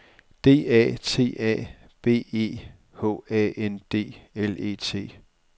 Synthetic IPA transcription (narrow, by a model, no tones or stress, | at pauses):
d̥e̝̰ːɛ̰ːt͡sʰe̝̰ːɛ̰ː | b̥e̝̰ːe̝̰ː | hɔ̰ːɛend̥e̝̰ːele̝̰ːt͡sʰe̝̰ː